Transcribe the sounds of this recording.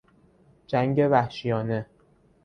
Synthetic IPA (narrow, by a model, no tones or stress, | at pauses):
d͡ʒæŋɟe̞væhʃijɒːne̞